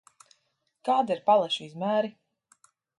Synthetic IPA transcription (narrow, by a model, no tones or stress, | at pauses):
kaːd̪iɾpalˠaʃiizmæːɾi